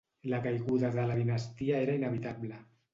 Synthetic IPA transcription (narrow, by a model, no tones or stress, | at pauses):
lakajɣuðaðəlaðinast̪iaeɾainəβ̞it̪aβlə